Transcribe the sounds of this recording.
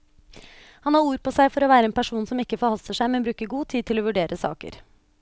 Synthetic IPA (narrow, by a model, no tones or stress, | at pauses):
hɑnhɑːɾuːɾpɔsæɪfɔɾoːʋæːɾəeːnpæʂuːnsɔmɪkːəfɔɾhɑlst̪əʂæɪmɛnbɾʉːkəɡuːt̪ʰiːd̪̚t̪ʰɪloːʋʉɖeːɾʔəsɑ̰ːkə̰ɾ